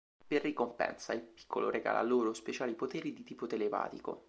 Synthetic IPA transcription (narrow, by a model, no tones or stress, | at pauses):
perːikompɛ̰nsailpi̥kʰːoloɾeɡa̰ːlʔa̰lːoːɾospet͡ʃaːlipot̪eːɾid̪it̪iːpot̪elepa̰ːt̪iko̰